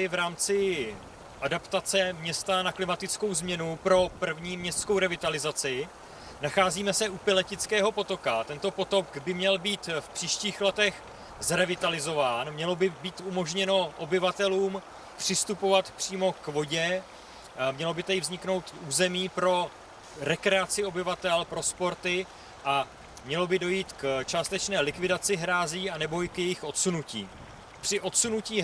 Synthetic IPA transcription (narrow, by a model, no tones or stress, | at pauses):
ɪvɾaːmt͡sɪ | ʔadapt̪at͡sɛmɲɛst̪anaklɪmat̪ɪt͡sko̞wzmɲɛnupɾo̞pr̩vɲiːmɲɛst̪skowɾɛvɪt̪alɪzat͡sɪ | naxaːziːmɛsɛʔupɪlɛcɪt͡skɛːɦo̞po̞t̪o̞kat̪ɛnt̪o̞po̞t̪o̞kɡbɪmɲɛlbiːt̪fpr̥iːʃciːxlɛt̪ɛx | zɾɛvɪt̪alɪzo̞vaːnmɲɛlo̞bɪbiːt̪umo̞ʒɲɛno̞ʔo̞bɪvat̪ɛluːm | pr̝̥ɪst̪upo̞vat̪pr̥iːmo̞kvo̞ɟɛ | mɲɛlo̞bɪt̪ɛdɪvzɲɪkno̞wt̪uːzɛmiːpɾo̞ | ɾɛkɾɛat͡sɪo̞bɪvat̪ɛlpɾo̞spo̞ɾt̪ɪ | ʔa | mɲɛlo̞bɪdo̞jiːt̪kt͡ʃaːst̪ɛt͡ʃnɛːlɪkvɪdat͡sɪɦɾaːziːanɛbo̞ɪkjɛjɪxʔo̞t̪sunucḭː | pr̥ɪʔo̞t̪sunuciː